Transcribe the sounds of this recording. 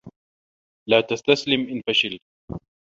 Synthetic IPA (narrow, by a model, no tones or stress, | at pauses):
laːt̪ast̪aslɪmʔɪnfaʃɪl